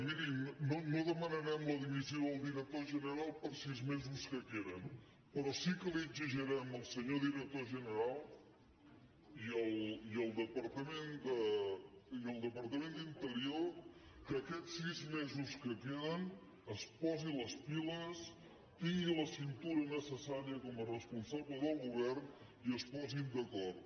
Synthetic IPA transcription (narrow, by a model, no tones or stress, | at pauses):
miɾimnonoðəmənəɾɛmləðiβiziowðəlˠd̪iɾək̚t̪oʒənəɾalˠpəɾsizmezuskəkeɾən | pɾɔsikəliəɡziʒəɾɛməlˠsəɲoðiɾək̚t̪oʒənəɾalˠ | iəlˠiəlˠd̪əpəɾt̪əmend̪ə | iəlˠd̪əpəɾt̪əmend̪int̪əɾiokəkɛt͡sːizmɛzuskəkeðən | əspɔziləspiləs | t̪iŋɡiləsint̪uɾənəsəsaɾiəkɔmərəspunsaβləðəlˠɣuβ̞ɛrn | iəspɔzind̪əkɔr